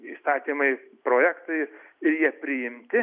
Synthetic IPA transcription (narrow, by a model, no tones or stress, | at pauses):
iːst̪ɑːt̪ʲiːmɐɪpɾoːjæːkt̪ɐɪ | ɪɾjiɛpʲɾʲɪɪmʲt̪ʲɪ